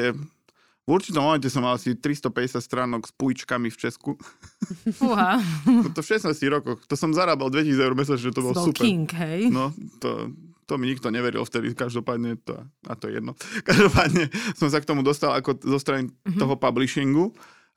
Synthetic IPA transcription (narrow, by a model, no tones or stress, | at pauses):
ɛ | vuɾt͡ʃit̪ɔmɔmɛncɛsɔmːalasit̪ɾist̪ɔpɛɟɛsjat̪st̪ɾaːnɔkspujt͡ʃkamift͡ʃɛsku | uɦaɔt̪ɔfʃɛsnaːst̪ciɣɾɔkɔxt̪ɔsɔmzaɾaːbald̪ʋɛcisid͡zɛʊɾmɛs̬at͡ʃʒɛt̪ɔbɔlsupɛɾiŋkɦɛjnɔt̪ɔ̰t̪ɔmiɲik̚t̪ɔɲɛʋɛɾḭlft̪ɛd̪ḭkaʒd̪ɔpaːd̪ɲɛt̪ɔ̰a̰t̪ɔjɛ̰jɛ̰d̪nɔkaʒd̪ɔpaːd̪ɲɛsɔms̬akt̪ɔmud̪ɔst̪ala̰kɔzɔst̪ɾanit̪ɔɦɔpabliʃiŋɡu